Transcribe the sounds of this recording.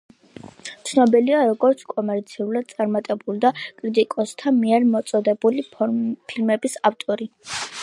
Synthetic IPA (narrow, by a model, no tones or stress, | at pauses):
t̪sʰnɔbiliaɾɔɡɔɾt̪sʰkʼɔmɛɾt̪sʰiulˠad̪̥̚t̪sʼaɾmat̪ʼɛbulˠd̪akʼɾit̪ʼikʼɔst̪ʰanmiɛɾmɔt̪sʼɔd̪ɛbulipʰilmɛbisaft̪ʼɔɾi